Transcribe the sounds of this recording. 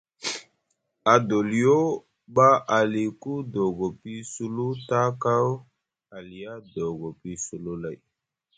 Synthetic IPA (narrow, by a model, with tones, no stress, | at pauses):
a˨do˨li˨jo˦ | ɓa˦ʔa˨li˨ku˦do˨ɡo˨pi˦su˦lu˦ta˦ka˦w | a˨li˨ja˦do˨ɡo˨pi˦su˨lu˦la˨j